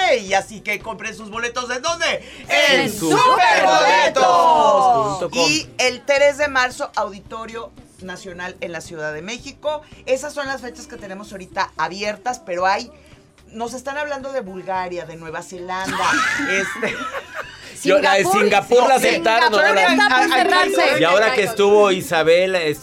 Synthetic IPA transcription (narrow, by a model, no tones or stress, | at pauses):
iasike̞ko̞mpɾensuzβo̞le̞t̪o̞zðend̪ond̪e | esueɾβolet̪o | oielt̪ɾe̞zðe̞maɾso̞ʔawðit̪o̞ɾjo̞ | nasjo̞nale̞nlasjuðaðe̞me̞xiko̞e̞sasːo̞nlasfe̞t͡ʃaske̞t̪e̞ne̞mo̞so̞ɾit̪aaβje̞ɾt̪aspeɾo̞aj | no̞se̞st̪anaβland̪o̞ðe̞βulɣaɾjaðe̞nwe̞βase̞land̪aest̪e | olaðesiŋɡapuɾlaet̪anolaaeasejaoɾakest̪uβoisaβeles